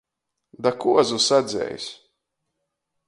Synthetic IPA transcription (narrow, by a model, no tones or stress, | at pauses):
d̪akuɔzusad̪zʲɛ̰js